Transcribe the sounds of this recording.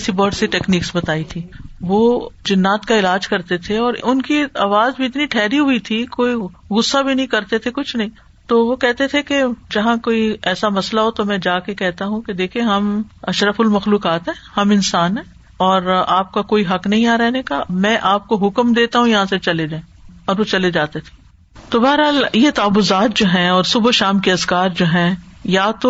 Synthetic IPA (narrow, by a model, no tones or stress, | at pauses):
sibɔːʈsiʈɛːkniːksbɐt̪aːit̪ʰiːʋod͡ʒɪnːaːt̪kaɪlaːd͡ʒkɐɾt̪et̪ʰeɔːɾʊnkiaːʋaːzbʱiɪt̪niʈʰɛːɾiɦʊit̪ʰikoːiɣʊsːabʱinɐɦĩkɐɾt̪et̪ʰekʊt͡ʃʰnɐɦĩ | t̪oːʋokɛɦt̪et̪ʰeked͡ʒɐɦãkoːiɛːsamɐslaɦot̪omɛ̃d͡ʒaːkekɛɦt̪aɦũked̪eːkʰieɦɐmɐʃɾəfʊlmɐxluːkaːt̪ɦɛ̃ːhɐmɪnsaːnɦɛ̃ː | ɔːɾaːp̚kakoːiɦɐknɐɦĩaɾɛɦnekamɛ̃ʔaːp̚koɦʊkmd̪eːt̪aɦũjɐɦãset͡ʃɐled͡ʒãːẽ | ɔːɾʋot͡ʃɐled͡ʒaːt̪et̪ʰe̥ː | t̪obaːɾɦaːljet̪aːbʊzaːt̪̚d͡ʒoːɦɛ̃ɔːɾsʊbʃaːmkeɐzkaːɾd͡ʒoːɦɛ̃jat̪o